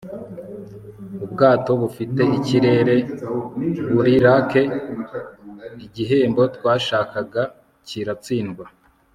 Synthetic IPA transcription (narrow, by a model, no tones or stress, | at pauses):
ubɡaːto̞βufite̞ʔiciɾe̞ɾe̞ | βuɾiɾake̞ | iɟiɦe̞ːmbo̞twaːʃaːkaɡa | ciɾat͡siːnɡwa